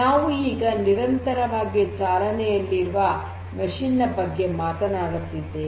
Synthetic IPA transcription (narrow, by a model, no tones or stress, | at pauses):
naːʋuiːɡɐniɾɐnt̪ɐɾɐʋaːɡit͡ʃaːlɐnɛjɐlːiɾʋɐ | mɐʂinːɐbɐɡːe̞maːt̪ɐnaːɽut̪ːid̪ːe